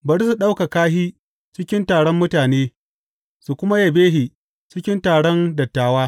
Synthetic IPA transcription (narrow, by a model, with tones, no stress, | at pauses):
bɐ˨ɽsu˨ɗa˦wka˨kaː˦hiː˦ | t͡ʃɪ˦kʲɪ˦ntaː˨ɽɔ˦mːʊ˦taː˨neː˦ | su˨kʷʊ˦ma˦jɐ˨beː˦ɦi˨ | t͡ʃɪ˦kʲɪ˦ntaː˨ɽɔ˦ndɐ˨tːaː˨waː˦